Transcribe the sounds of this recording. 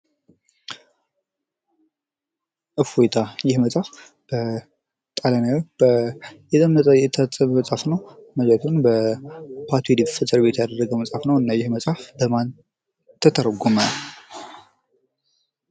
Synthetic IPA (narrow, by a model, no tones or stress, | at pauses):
ʔɨfojt̪ʰajɪhmət͡sʼaf | b̥ə | t̪ʼalənəbəjɛt̪ʼəmjɛt̪ʰat͡sʼːmməsʼafnəwməd͡ʒɛt̪ʰunbəpʰat̪ʰwed̪ifɨsɨɾβe̞t̪jad̪ərːəɡəwməsʼafnəwɨnːajɪhməsʼafbəman | t̪ʰːət̪ʰəɾɡomə